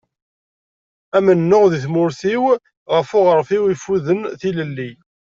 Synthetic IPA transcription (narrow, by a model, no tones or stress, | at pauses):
æmənːʊʁðiθmʊɾθiw | ʁəfʊʁəɾfiwifuðənθiləlːi